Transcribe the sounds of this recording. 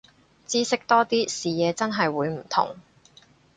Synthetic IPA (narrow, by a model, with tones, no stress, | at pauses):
t͡siː˥sɪ˥k̚t̪ɔː˥t̪iː˥siː˨jɛː˨˧t͡sɐ˥nɦɐ˨jwuː˨˧jm̩˨˩t̪ʰʊ̰˨˩ŋ